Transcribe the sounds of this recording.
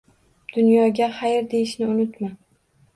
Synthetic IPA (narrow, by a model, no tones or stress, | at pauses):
d̪̥ʊnjɒɡʲaχajɪɾd̪e̞jɪʃnɪʊnʊt̪ma